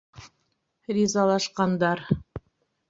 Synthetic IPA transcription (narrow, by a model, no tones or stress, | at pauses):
rʲizɑlˠɑʃqɑnd̪ɑɾ